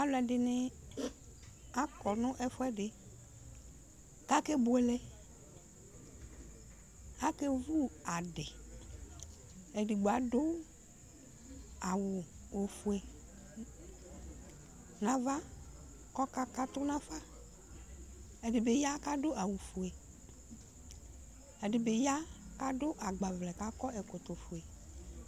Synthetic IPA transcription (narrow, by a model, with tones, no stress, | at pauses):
a˨˦lʊ˦ɛ˨dɪ˨nɪ˦ | a˦kɔ˨nʊ̃˦ʔɛ˦fʊ˦ɛ˦dɪ˨ | ka˦ke˦bʊ˨ɛ˨lɛ˦ | a˦ke˦vu˦a˨dɪ˨ | ɛ˨dɪ˨ɡ͡ba˨dʊ˦ | a˨wʊ˨o˨fu˨e˨ | nã˨va˦ | kɔ˦ka˦ka˦t̪ʊ˦nã˦fa˦ | ɛ˨dɪ˨be˨ja˦ka˦ɖʊ˦a˨wu˨fu˨e˨ | ɛ˨dɪ˨be˨ja˦ka˦ɖʊ˦ʔa˨ɡ͡ba˨vlɛ˨ka˦kɔ˦ɛ˨kʊ˨t̪ʊ˨fu˨e˨